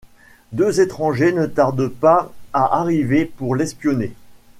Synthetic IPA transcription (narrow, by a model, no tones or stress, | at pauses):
d̪øzet̪χɑ̃ʒenət̪aʁd̪paaʔaʁivepuʁlɛspjɔne